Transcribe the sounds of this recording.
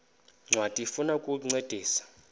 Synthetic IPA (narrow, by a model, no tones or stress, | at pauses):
ŋ͡ǀʱwatʼifunakʼuŋ͡ǀed̥ʱiːsḁ